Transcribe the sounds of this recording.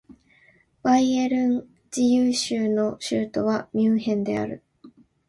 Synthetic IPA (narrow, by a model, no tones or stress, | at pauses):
b̥aieɾɯ̟̃n | d͡ʑijɯːɕɨːno̞ɕɨːt̪o̞βamʲɨːɦẽ̞nd̪e̞̰a̰ɾɯ̟̰